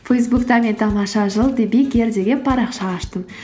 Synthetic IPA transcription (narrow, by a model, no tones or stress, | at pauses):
fejsbukt̪ɑme̞nt̪ʰɑmɑʃɑʒəlˠd̪ebikʲe̞ɾd̪e̞ɡʲe̞pʰɑɾɑqʃɑːʃt̪əm